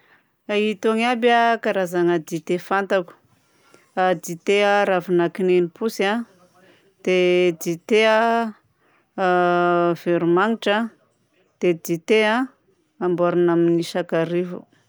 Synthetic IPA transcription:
ait̪oŋabjakaɾazaŋəd̪it̪efant̪aku̥ | ad̪it̪eəɾavinakinenipusa | d̪̥ed̪it̪eə | v̥eɾumaŋiʈ͡ʂə | d̪̥ed̪it̪ea | ambaɾinaminiʃakaɾivṵ

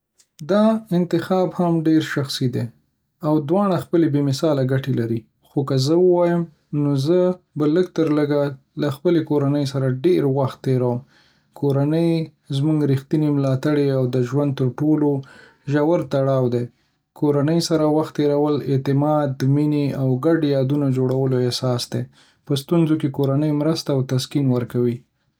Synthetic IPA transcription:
d̪ɑɪnt̪ɪxɑbhamɖeɾʃaxsid̪e | awd̪wɑɳ̃axpəlebemɪsɑlaɡaʈelaɾi | xokazəwəwɑjəm | nozə | baləɡ̚t̪əɾləɡa | laxpəlekoɾanəjsaɾaɖeɾwaxt̪ːeɾawəm | kʰoɾanəj | zmuŋɡɾixt̪inemlɑt̪aɽeawd̪əʒwand̪̚t̪əɾʈolo | ʒawəɾt̪aɽɑwd̪e | kʰoɾanəjsaɾawaxt̪ːeɾawəlɪt̪ɪmɑd̪mineawɡaɖjɑd̪unad͡ʒoɽawəloesɑsd̪e | pəst̪unzokekoɾanəjmɾəst̪aːwt̪askinwəɾkawi

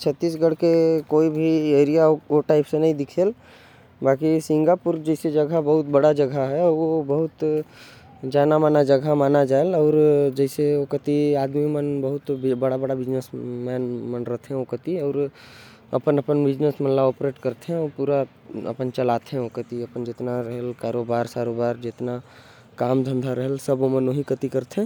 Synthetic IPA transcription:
t͡ʃʰət̪ːiːs̬ɡəɽ̤kekoːibʱieːɾijaoʈaːɪpsenɐɦĩd̪ɪkʰeːl | baːkisɪ̃ŋɡapuɾd͡ʒɛɪsed͡ʒəɡʱabəɦʊt̪bəɽad͡ʒəɡʱaɦɛʋobəɦʊt̪ | d͡ʒaːnamaːnad͡ʒəɡʱamaːnad͡ʒaːelɔːɾd͡ʒɛɪseokət̪iaːd̪mimənbəɦʊt̪bbəɽabəɽabɪd͡ʒnesmɛnmənɾəɦt̪ʰẽokət̪iɔːɾ | ə̰pənəpənbɪd͡ʒnesmənlaopɾeʈkəɾt̪ʰẽɔpuɾa | ə̰pənt͡ʃəlat̪ʰẽokət̪iəpənd͡ʒet̪naɾəɦəlkaɾobaɾsaɾobaːɾd͡ʒet̪na | kaːmd̪ʱə̃nd̪ʱaɾəɦəlsəbomənoɦikət̪ikəɾt̪ʰẽ

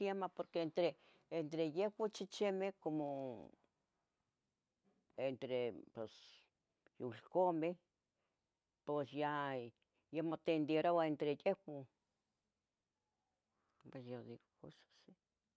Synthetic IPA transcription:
jamapoɾkeent̪ɾe | ent̪ɾejehwot͡ʃit͡ʃemekomo | ent̪ɾepes | julkome | pesja | jamot̪end̪jeɾoaent̪ɾejewo | pesjod̪iɡokosḁsi

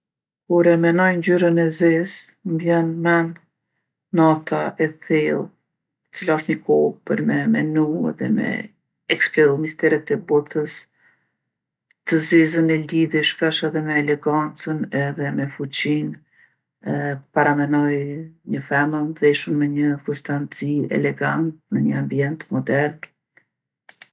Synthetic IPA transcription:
kuɾɛmɛnɔjnd͡ʑyɾənɛzizmbjɛnmɛnː | at̪ʰaʔɛθɛlˠ | t̪ə̥t͡silaɔʃt̪ɲəkʰɔpəɾmɛmɛ̰nuɛ̰ðɛ̰mɛ̰ | ɛksplɔmist̪ɛɾət̪ɛbɔt̪əs | t̪əzizənɛliðjɛʃfɛʃɛðɛmɛːlɛɡant͡sənɛðɛmɛfut͡ɕin | paɾamɛnɔjɲəfɛməmðɛʃəmmɛɲəfust̪ant͡siɛ̰lɛɡant̪̚məɲəambiɛnt̪mɔd̪ɛɾn

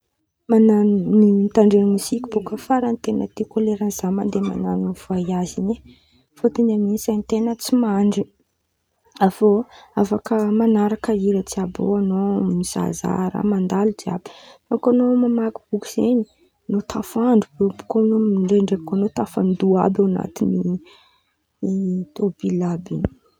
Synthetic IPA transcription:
manannint̪aɳɖ͡ʐenimuzikʲibukəfaɾant̪enət̪ikoleɾanz̥amand̪ema̰nanivajazini | fot̪inaminsant̪enət͡simaɳɖ͡ʐi | avoafakəmanaɾakəiɾət͡siabo̰anomiz̥a̰za̰ɾa̰mand̪alud͡ʒia̰bi̥fakanomamaku̥b̥uki̥z̥eɲi | not̪ʰafaɳɖ͡ʐubebu̥konoɳɖ͡ʐeɳɖ͡ʐekanot̪afand̪ua̰bawana̰t̪ini | t̪ob̥ilabini̥

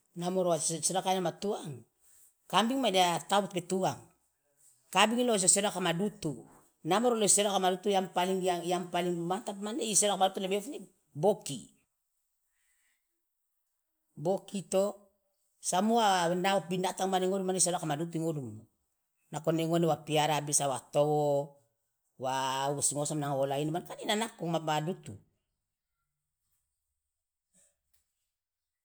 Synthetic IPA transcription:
namoɾoaseɾoakajnamatuaŋ | kambiŋmadatabutpetuaŋ | kabiŋilos̬oseɾoakamadutu | namoɾoloseɾoakamadutujampaliŋaampaliŋmantapmaneiseɾoakamadutulebefni | bokḭ | bokito | samuanaopinataŋmaniŋodumaneis̬alakamadut̬uiŋodumo | nakoneŋonewapiaɾabisawatowo | wausŋosamnaŋoolainmankaninanakːomamadutṵ

